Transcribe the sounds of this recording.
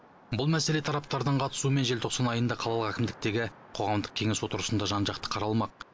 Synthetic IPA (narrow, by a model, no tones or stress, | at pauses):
bʊlˠmæse̞le̞t̪ʰɑɾɑp̚t̪ɑɾd̪əɴqʰɑt̪ə̥suəme̞nʒelt̪ʰo̞qsɑnɑjənd̪ɑqʰɑlˠɑlˠəʁækʲɪmd̪ɪk̚t̪e̞ɡʲɪ | qʰo̞ʁɑmd̪əq̚kʲʰe̞ŋʲe̞swo̞t̪əɾəsənd̪ɑʒɑnʒɑqt̪ə̥qʰɑɾɑlˠmɑq̚